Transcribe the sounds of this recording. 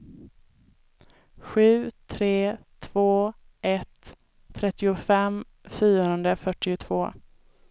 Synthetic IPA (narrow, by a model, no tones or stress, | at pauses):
ɧʉ̟ːt̪ʰɾeːt̪ʰv̥oː | ʔɛt̪ʰː | ɾɛt̪ːɪʊfɛm | fyːɾɾənd̪əfœʈːɪʊt̪ʰv̥oː